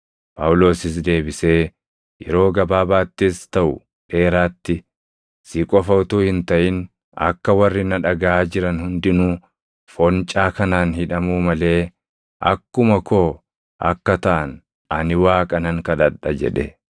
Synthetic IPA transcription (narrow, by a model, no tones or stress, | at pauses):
pʼɐwʊlo̞ːsɪs̬d̪e̞ːbɪse̞ː | jɛ̰ɾo̞ːɡɐbaːbaːt̪ːɪst̪ɐʔʊ | ᶑe̞ːɾaːt̪ːɪ | siːkʼɔfɐwt̪uːhɪnt̪ɐʔɪn | ɐ̰kːɐwɐrːɪnɐᶑɐɡaʔaːd͡ʒɪɾɐnhʊnd̪ɪnu | fɔnt͡ʃʼaːkɐnaːnhɪᶑɐmuːmɐle̞ː | ʔɐ̰kːʊmɐko̞ː | ʔɐ̰kːɐt̪ɐʔɐn | ɐnɪwaːkʼɐnɐŋkɐd̪ɐᶑɐd͡ʒɛ̰ᶑɛ̰